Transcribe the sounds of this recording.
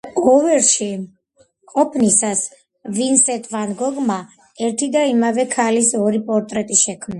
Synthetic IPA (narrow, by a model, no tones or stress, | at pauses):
ɡɔvɛɾʃi | qʼɔpʰnisas | vinsɛt̪ʰvanɡɔɡma | ɛɾt̪ʰid̪aimavɛkʰalisɔɾipʼɔɾt̪ʼɾɛt̪ʼiʃɛkʰmna